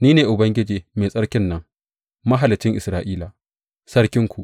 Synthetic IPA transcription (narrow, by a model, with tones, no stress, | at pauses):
niː˦neː˨ʔʊ˨bɐ˦ŋɡʲɪ˦d͡ʒeː˨meː˨sʼɐ˦ɽkʲɪ˦nːɐ˦ŋ | mɐ˦ɦa˨lɪ˨t͡ʃɪ˦ŋʔɪ˨sɾaː˦ʔiː˦laː˨ | sɐ˦ɽkʲɪ˦ŋkʷu˨ʔ